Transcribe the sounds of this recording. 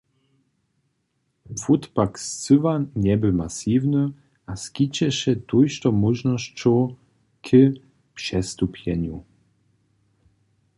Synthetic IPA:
fut̪pakst͡sɨvaɲɛbɘmasivnɨ | ʔaskʲit͡ɕɛɕɛt̪ujʃt̪ɔmuʒnɔɕt͡ɕɔ | kʰə | pʂɛst̪upʰʲjɛ̰ɲu

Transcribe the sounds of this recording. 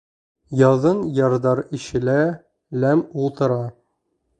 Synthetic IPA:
jɑðɤnjɑɾd̪ɑɾiɕɘ̆læ | læmulˠt̪ɤ̆ɾɑ

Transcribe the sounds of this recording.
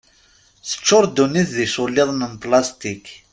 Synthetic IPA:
θə̥t͡ʃːʊɾˤd̪uniθðisʊlːɪðˤnənplast̪ik

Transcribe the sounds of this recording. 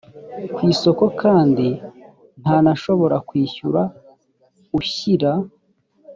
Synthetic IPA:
kwiːso̞ko̞kʰaːndi | n̥haːnaʃo̞βo̞ɾakwiːçuɾa | uçiɾa

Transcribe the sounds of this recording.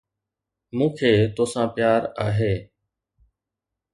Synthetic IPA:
mũːkʰeːt̪oːsãːpjaːɾaːɦeː

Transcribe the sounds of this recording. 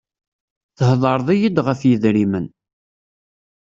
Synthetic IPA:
θəhðˤəɾˤðˤijid̪ʁəfjiðɾimən

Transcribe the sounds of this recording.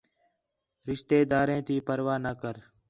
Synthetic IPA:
ɾɪʃt̪eːd̪aːɾẽːt̪ʰiːpəɾʋaːnəkəɾ

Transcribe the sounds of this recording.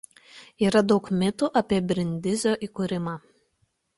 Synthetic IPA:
iːɾɐd̪ɒʊkmʲɪt̪uʔɐpʲiɛbʲɾʲɪnʲd̪ʲɪzʲoːʔiːˑkʊɾʲɪmɑː

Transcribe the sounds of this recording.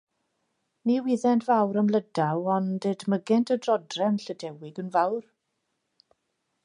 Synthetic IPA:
niːwɪðɛntʰvawɾəmlədawɔndedməɡɛntʰədrɔdrɛmɬədɛwɪɡənvawr

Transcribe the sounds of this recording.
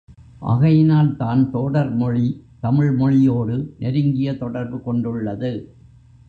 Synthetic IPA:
ʔɐ̰ɣɐjɪnaːlt̪aːnt̪oːɽɐɾmɔɻit̪ɐmɪɻmɔɻɪjoːɽɯnʔɛɾɯŋɡɪjɐt̪ɔɽɐɾbɯkɔɳɖɯɭːɐðɯ

